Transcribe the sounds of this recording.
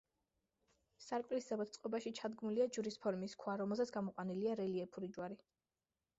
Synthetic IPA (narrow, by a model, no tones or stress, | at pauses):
saɾkʼlisdɛbɔt̪̚ʰtsʼqʼɔbaʃit͡ʃʰad̪ɡmuliad͡ʒuɾispʰɔɾmiskʰwaɾɔmɛlˠzɛt̪sʰɡamɔqʼwaniliaɾɛliɛpʰuɾid͡ʒwaɾi